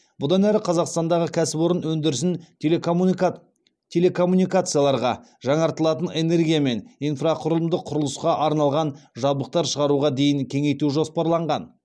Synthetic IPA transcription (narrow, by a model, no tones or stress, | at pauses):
bʊd̪ɑnæɾɪqʰɑzɑqst̪ɑnd̪ɑʁəkʲʰæsɪpoɾənwɵnd̪ɪɾɪsɪn | t̪ʲʰe̞le̞kʰo̞mːunijkat̪sɨjalˠɑɾʁɑ | ʒɑɴɑɾt̪əlˠɑt̪əne̞ne̞ɾɡʲijame̞nijnfraqʰʊɾəlˠəmd̪əqʰːʊɾəlˠəsqɑʔɑɾnɑlˠʁɑnʒɑlˠbləq̚t̪ɑɾʃəʁɑɾuʁɑd̪e̞jɪŋkʲʰe̞ŋe̞jt̪uʒo̞spɑɾlˠɑɴʁɑn